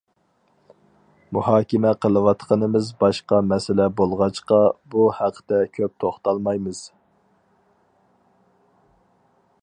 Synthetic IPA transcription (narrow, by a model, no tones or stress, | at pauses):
muhɑːkʲʰɪmɛqʰəlˠɨwɑt̪qʰənɨmɪzbɑʃqɑmɛsɪlɛbolˠʁɑt͡ʃqɑbuhæqʰːə̥t̪ɛkʲʰøp̚t̪ʰoχt̪ɑlˠmɑjmɨz̥